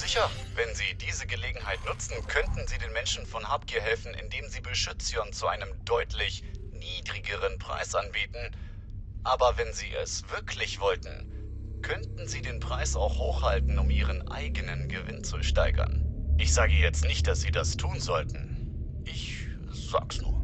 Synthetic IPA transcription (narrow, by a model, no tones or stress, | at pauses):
z̥ɪçɐ | vɛnziːdiːzəɡəleːɡŋ̩ɦaɪtnʊt͡sn̩kʰœntn̩ziːdeːnmɛnʃn̩fɔnhaːp̚kʰiːɐɦɛlfn̩ʔɪ̰ndeːmziːbəʃʏt͡sjɔnt͡suʔaɪnəmdɔʏtʰlɪç | niːdʁiɡəʁ̞ənpʁ̥a̰ɪsʔanbiːtn̩ | ʔaːbɐvɛnziːʔɛ̰sv̥ɪɐkʰlɪçv̥ɔltn̩ | kʰœntn̩ziːdeːnpʁ̥aɪsa̰ʊxhoːxhaltn̩ʊmʔiːʁ̞ənʔa̰ɪɡənənɡəvɪ̰nt͡suʃtaɪɡɐ̰nʔɪçz̥aːɡəjɛt͡stnɪçt̚d̥asz̥iːdastʰuːnzɔltn̩ | ʔɪç | z̥a̰ːksnṵːɐ